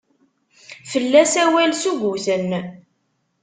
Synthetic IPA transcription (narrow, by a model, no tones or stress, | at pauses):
fəlːæsæwælsuʝuθən